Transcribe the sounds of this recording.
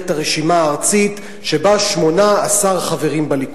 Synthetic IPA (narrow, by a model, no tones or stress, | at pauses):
taʁeʃimaːʁt͡sit | ʃebaʃmo̞naːsaʁχave̞ʁimbalik